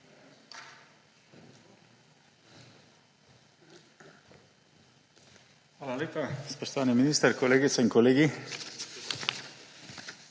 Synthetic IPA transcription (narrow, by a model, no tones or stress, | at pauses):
alalek̪aspest̪aneminist̪eɾkoleɣeseŋkoleɣi